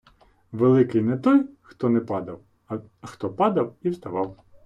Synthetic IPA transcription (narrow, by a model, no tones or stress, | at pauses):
ʋelˠɪkɪjnɛt̪ɔjxt̪ɔnɛpɑd̪ɐw | xt̪ɔpɑd̪ɐwiwst̪ɐʋɑw